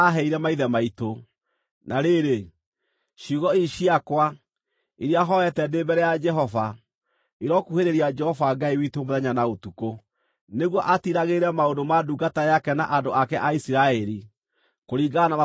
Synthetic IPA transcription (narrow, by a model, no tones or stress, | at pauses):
aɦɛiɾɛmaiðɛmaito | naɾeɾe | ʃuɣɔiʃiakwa | iɾjaɦɔɛtɛndebɛɾɛjad͡ʒɛɦɔva | iɾɔkuheɾeɾiad͡ʒɛhɔvaɡaiwitomoðɛɲanaotuko | neɣwɔʔatiɾaɣeɾɛmaondomaduɡatajakɛna̰ʔandoakɛʔaisiɾaɛɾi | koɾiɡanaa